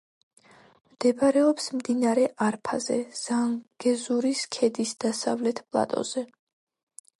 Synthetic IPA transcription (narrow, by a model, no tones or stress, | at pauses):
md̪̥ɛbaɾɛɔpsmd̪inaɾɛʔaɾpʰazɛ̰z̥aŋɡ̥ɛzuɾiskʰɛd̪isd̪asa̰vlɛt̪ʰpʼlˠa̰t̪ʼɔ̰z̥ɛ